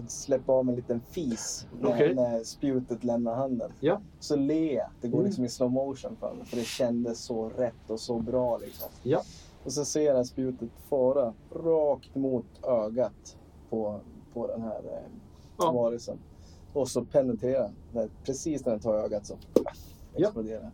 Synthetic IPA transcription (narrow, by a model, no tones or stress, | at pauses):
t̪slɛpːaɑːvɛnliːt̪ənfiːsnæɾnæɾspjʉ̟ːt̪ət̪lɛmnaɾɦand̪ən | ɔsɔlea̰d̪̥ɛɡoːlɪksɔmɪsnoʊmoʊʂɔnfœ̰ːɾmɛ̰fœɖɛɕɛnd̪əsːɔɾɛt̪ːɔsɔbɾɑːlɪ̰ksɔ̰m | ɔsɛnseːɾat̪spjʉ̟ːt̪ət̪fɑːɾaɾɑːkt̪muːt̪øːɡat̪ | pʰɔpʰɔd̪ɛ̰nhæ̰ɾ | vɑːɾəsə̰n | ɔsɔpʰɛnɛt̪ʰeːɾad̪ɛæɾpʰɾɛsiːsnæɖɛnt̪ʰɑːɾøːɡat̪sɔm | ɛksplʊd̪eːɾa